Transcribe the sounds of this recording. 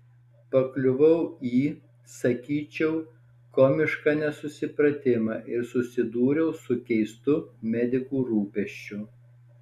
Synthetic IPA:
pɐklʲʊʋɐʊiː | sɐkʲiːt͡ʃʲɛʊ | kɔːmʲɪʃkɑːnʲɛsʊsʲɪpɾɐt̪ʲɪmɑːʔɪɾsʊsʲɪd̪uːɾʲɛʊsʊkʲɛɪst̪ʊmʲɛd̪ʲɪkuːɾuːpʲɛʃʲt͡ʃʲʊ

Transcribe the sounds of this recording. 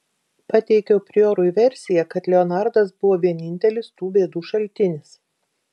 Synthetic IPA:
pɐt̪ʲɛɪkʲɛʊpʲɾʲɪoːɾʊjʋʲɛɾʲsʲɪjɛkɐt̪lʲɛɔnɑˑɾd̪ɐsbʊʋoːʋʲiɛnʲɪnʲt̪ʲɛlʲɪst̪uːbʲeːd̪uːʃɐlʲt̪ʲɪnʲɪs

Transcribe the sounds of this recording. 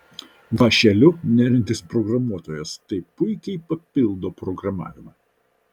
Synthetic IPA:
ʋɐʃʲɛlʲʊnʲæːɾʲɪnʲt̪ʲɪspɾɔɡɾɐmuɔt̪oːjɛst̪ɐɪpʊɪkʲɛɪpɐpʲɪlˠd̪oːpɾɔɡɾɐmɑ̰ːʋʲɪmɑː

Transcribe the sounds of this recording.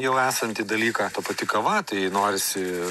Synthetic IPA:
jɛʊæːsɐnʲt̪ʲid̪ɐlʲiːkɑt̪ɐpɐt̪ʲɪkɐʋɐt̪ɐɪnoːɾʲɪsʲɪ

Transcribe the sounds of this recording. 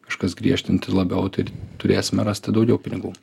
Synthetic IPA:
kɐʃkɐsɡɾʲiɛʃʲt̪ʲɪnt̪ʲɪlˠɐbʲɛʊt̪ɐɪt̪ʊɾʲeːsʲɪmʲɛɾɑːsʲt̪ʲɪd̪ɒʊɡʲɛʊpʲɪnʲɪɡuː

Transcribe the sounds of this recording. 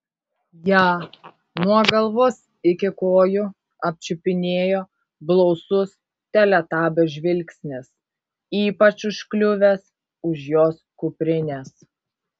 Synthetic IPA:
jɑː | nuɔɡɐlˠʋos | ɪkʲɪkoːjʊ | ɐpʲt͡ʃʲʊpʲɪnʲeːjoː | blˠɔʊsʊs | t̪ʲɛlʲɛt̪ɑːbʲɛʒʲʋʲɪlʲksʲnʲɪs | iːpɐt͡ʃʊʃklʲʊʋʲɛs | ʊʃjoːskʊpʲɾʲɪnʲeːs

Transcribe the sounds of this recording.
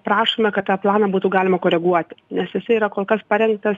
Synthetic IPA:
pɾɑːʃomʲɛkɐt̪t̪ɑːplˠɑːnɐːbuːt̪uːɡɑːlʲɪmɐkoːɾʲɛɡuɔt̪ʲnʲɛsjɪsɪiːɾɐkoːlˠkɐspɐɾʲɛŋk̚t̪ɐs

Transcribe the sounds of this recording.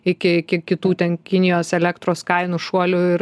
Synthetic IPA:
ɪkʲɪɪkʲɪkʲɪt̪uːt̪ʲɛnkʲɪnʲɪjoːsɛlʲɛkt̪ɾoːskɐɪnʊʃuɔlʲʊɪɾ

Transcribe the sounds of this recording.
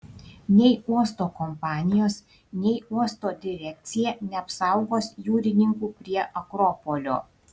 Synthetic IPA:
nʲɛɪuɔst̪oːkɔmpɑːnʲɪjoːs | nʲɛɪuɔst̪oːd̪ʲɪɾʲɛkʲt̪sʲɪjɛnʲɛɐpsɑˑʊɡoːsjuːɾʲɪnʲɪŋkuːpʲɾʲiɛʔɐkɾɔpolʲo̰ː

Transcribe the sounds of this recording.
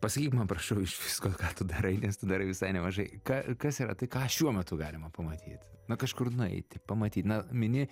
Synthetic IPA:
pɐsɐkʲiːtmɐnpɾɐʃɐʊɪʃʋʲɪskoːkɑːt̪ʊd̪ɐɾɐɪnʲɛst̪ʊd̪ɐɾɐɪʋʲɪsɐɪnʲɛmɐʒɐɪkɑkɐsiɾɐ̰t̪ɐɪkɑːʃʲuɔmʲɛt̪ʊɡɑːlʲɪmɐpɐmɐt̪ʲʰḭːt̪nʊkɐʃkʊrnʊɛ̰ɪt̪ʲɪpɐmɐt̪ʲiːt̪nɐmʲɪnʲɪ

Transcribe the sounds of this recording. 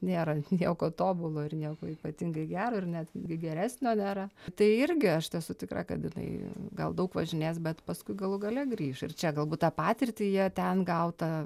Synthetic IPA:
nʲeːɾɐnʲiɛkoːt̪oːbʊlˠoːɪrnʲiɛkoːiːpɐt̪ʲɪŋɡɐɪɡʲæːɾoːɪrnʲæt̪ɡʲɪɡʲɛɾʲæːsʲnʲoːnʲeːɾɐt̪ɐɪɪɾʲɡʲɪɐʃt̪ʲɛsʊtʲɪkrɑ̰kɐt̪jɪnɐ̰ɪɡɐ̰lˠd̪ɐʊkʋɐʒʲɪnʲeːsbʲɛt̪pɐskʊɪɡɐlˠʊɡɐlʲɛɡɾʲiːʃɪ̰rt͡ʃʲɛɡɐlˠbuːt̪tɑːpɑːt̪ʲɪrʲt̪ʲiːjiɛt̪ʲɛnɡɐʊt̪ɐ

